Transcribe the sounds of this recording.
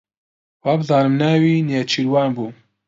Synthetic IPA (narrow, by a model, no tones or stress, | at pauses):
waːbɨzɑːnɨmnaːwinjet͡ʃʰiɾwɑːnbuː